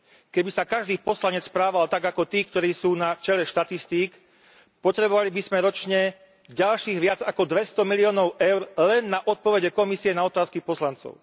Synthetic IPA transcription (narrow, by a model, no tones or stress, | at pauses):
kɛbisakaʒd̪iːpɔslaɲɛt͡sspɾaːʋalt̪aɡakɔt̪iːkt̪ɔɾiːsuːnat͡ʃɛlɛʃt̪at̪ist̪iːk | pɔt̪ɾɛbɔʋalibizmɛɾɔt͡ʃɲɛ | ɟalʃiːɣʋɪad͡zakɔd̪ʋɛst̪ɔmiliɔːnɔʊʔɛʊɾlɛnːaʔɔt̪̚pɔʋɛɟɛkɔmisiɛnaɔt̪aːskipɔslant͡sɔ̰ʊ